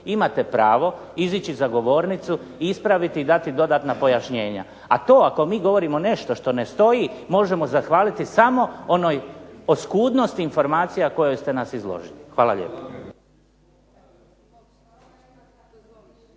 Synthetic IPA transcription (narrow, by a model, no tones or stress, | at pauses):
imat̪ɛpɾaːʋo̞ | izit͡ɕizaɡo̞ʋo̞ːɾnit̪su | iispɾaʋit̪iːd̪at̪id̪o̞d̪aːt̪napo̞jaʃɲe̞ːɲa̰ | at̪o̞ːako̞miːɡo̞ʋo̞ɾimo̞ne̞ʃt̪o̞ʃt̪o̞ne̞st̪o̞jimo̞ʒe̞mo̞zaxʋaːlit̪isamo̞o̞noːjoskuːd̪no̞st̪iːnfo̞ɾmaːt̪sijako̞jojst̪e̞nasizlˠo̰ʒilixʋaːlˠaʎḛːpo̥